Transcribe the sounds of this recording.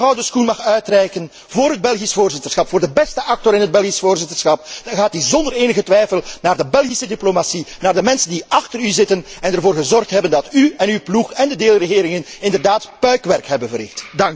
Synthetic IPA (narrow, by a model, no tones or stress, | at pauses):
ɑwdəskunmɑxœɥtrɛjkən | voːɾɦəd̚bɛlˠɣisfoːrzɪtərsxɑpfoːrdəbɛstəʔɑk̚tɔɾɪnɦəd̚bɛlˠɣisvoːrzɪtərsxɑp̚ɣaːtdizɔndəɾeːnəɣətʋɛjfəlˠnaːrdəbɛlˠɣisədiplomasinaːrdəmɛnsəndiɑxtəɾyzɪtənɛnərvoːrɣəzɔrxtɦɛbəndɑtyɛnywpluxɛndədeːlˠrəɣeːɾɪŋənɪndərdaːtpœɥkʋɛrkɦɛbənvərɪ̰xtdɑŋk